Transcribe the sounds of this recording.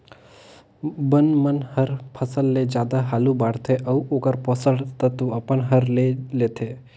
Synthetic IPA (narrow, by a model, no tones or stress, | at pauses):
bənmənhəɾpʰəsəlːed͡ʒjad̪aɦaːlũbaɽt̪ʰeʔəuʔokəɾpɔsəɽt̪ət̪uəpəɳɦəɾlelet̪ʰe